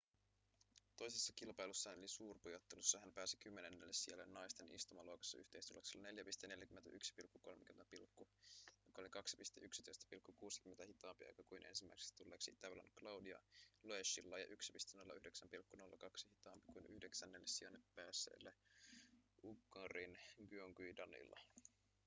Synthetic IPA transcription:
t̪o̞jsesːɑkilpɑjlusːɑnolisuːrpujot̪ːelusːɑhæmpæːsikymːenenːelːesielːenːɑjst̪e̞nʔḭst̪umɑluokɑ̥sːɑy̰ht̪e̞jst̪ulːɑkselːɑne̞ljæpist̪ene̞ljækymːent̪æ̰ʔyksi̥pilkːuko̞lmekymenæpilkːujokːɑolikɑksi̥pist̪eʔyksit̪oist̪æ̥pilkːukuːsi̥kyment̪æhit̪ɑːmpiɑ̰jkɑkuinʔḛnsimːæ̰ikse̥st̪ulːeːksit̪æʋlɑ̰nklɑwdiɑ̰loeʃːilːɑjɑ̰ʔyksi̥pist̪enolːɑʔyhdeksæmpilkːuno̞lːɑkɑksihit̪ɑːmpikuinyhde̞ksænːelːesiɑnːeppæːsḛːlːe | uɡːɑrinɡyoŋɡudɑnḭlːɑ̰

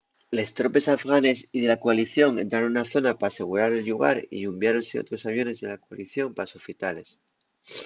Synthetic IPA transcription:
le̞st̪ɾo̞pe̞safɣane̞siðe̞lakoaliθjo̞ŋe̞nt̪ɾaɾonunaθo̞napaːse̞ɣ̞uɾaɾe̞lʎuɣ̞a̰ɾḭʎumbjaɾo̞nseot̪ɾo̞saβ̞jo̞ne̞zðe̞lakoaliθjo̞mpasofit̪ale̞s

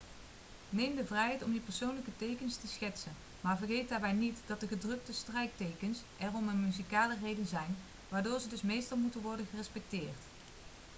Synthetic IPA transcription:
nejmdəvrɛjɦɛjtɔmipəɹsownləkətejkənstəsχɛtsən | maːɹvərχejt̚daːɹbɛjnitdɑt̚dəχədrɵk̚təstrɛjk̚tejkəns | ʔɛrɔmənmyzikaːlərejdənzɛjn | ʋaːɹdʊːɹzədɵsmejstɑlˠmutənʋɔɹdənχərɛspɛk̚tɪːɹt

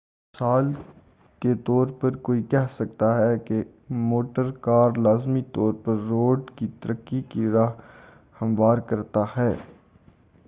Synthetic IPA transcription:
saːl | ket̪ɔːɾpɐɾkoːikɛɦsɐk̚t̪aɦɛke | moːʈəɾkaːɾlaːzmit̪ɔːɾpɐɾːoːɖkit̪əɾəkːikiɾaɦ | hɐmʋaːɾkɐɾt̪ahɛː

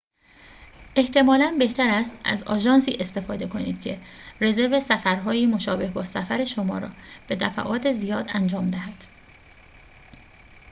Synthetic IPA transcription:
ʔe̞ht̪ʰe̞mɒːlænbe̞ht̪æɾæst̪æ̰zɒ̰ːʒɒːnsḭːʔe̞st̪e̞fɒːd̪e̞kʰo̞nḭːd̪̥cʰe̞re̞ze̞ɾve̞sæfæɾɦɒːjiːmo̞ʃɒːbe̞hbɒːsæfæɾe̞ʃo̞mɒ̰ːɾɒ̰ːb̥e̞d̪æfæ̰ʔɒːt̪ʰe̞zijɒːd̪ænd͡ʒɒːmd̪æɦæd̪̥

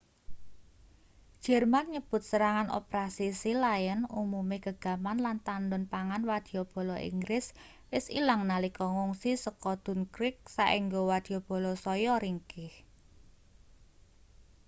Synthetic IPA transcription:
d̥ʒ̥ɛrmanɲəb̥ʊ̤t̪̚səɾaŋanʔo̰pɾasisilajənumumiɡəɡ̥a̤manlant̪anɖʊnpaŋanwad̪̥i̤ob̥ɔ̤lɔʔḭŋɡɾɪs | wɪsilaŋnalikɔŋuŋsisəkɔd̪̥ʊ̤nkɾɪk̚saʔiŋɡowad̪̥i̤ob̥ɔ̤lɔsɔjɔɾiŋkɪh

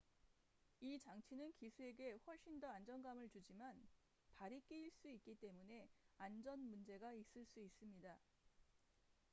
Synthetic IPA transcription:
it͡ɕaŋt͡ɕʰinɯnkisʰue̞ɡe̞ɸwʌɭɕ͈indʌand͡ʑʌnɡamɯɭt͡ɕud͡ʑiman | paɾik͈iiɭs͈uit̚k͈it͈e̞mune̞and͡ʑʌnmund͡ʑe̞ɡais͈ɯɭs͈uis͈ɯmɲida

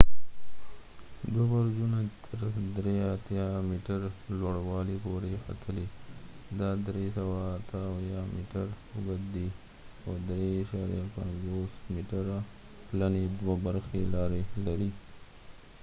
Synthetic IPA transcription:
d̪wabaɾd͡ʒunat̪ʰəɾd̪ɾeat̪jɑmiʈaɾlwaɽwɑlipoɾexa̰t̪ʰəle | d̪ɑd̪ɾesawaːt̪ʰajamiʈaɾ | ʊɡad̪i | od̪ɾeːʃɑɾijapa̰nzosmiʈaɾa | planed̪wabaɾxelɑɾelaɾi

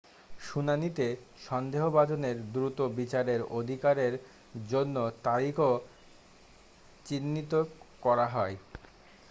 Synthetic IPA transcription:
ʃunanit̪e | ʃɔnd̪eɦobad͡ʑoneɾd̪ɾut̪obit͡ɕaɾeɾod̪ʱikaɾeɾ | d͡ʑonːot̪aɾikʰo | t͡ɕinːit̪okɔɾaɦɔe

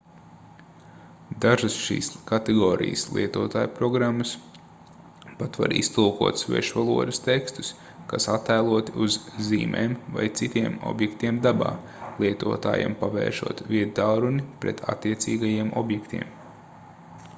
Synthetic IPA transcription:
d̪aʒasʃḭːskat̪ɛɡɔːɾḭjə̰slˠʔḭɛt̪uɔt̪aːjupɾɔɡɾamːas | pat̪ʋa̰ɾḭst̪ulˠkuɔt̪svɛ̰ʃʋalˠuɔd̪ɐst̪ekst̪u̥s | kasat̪ːajlˠuɔt̪uzziːmɛ̰ːmva̰jt̪sit̪iɛmɔ̰bjekt̪iɛmd̪aba̰ː | lˠiɛt̪uɔt̪a̰ːjɛ̰mpaʋɛ̰ːɾʃṵɔt̪vʲiɛt̪̚d̪aɾunipɾɛt̪ʰa̰t̪ːiɛt̪siːɡajiɛmʔɔ̰bjɛkt̪ḭɛm

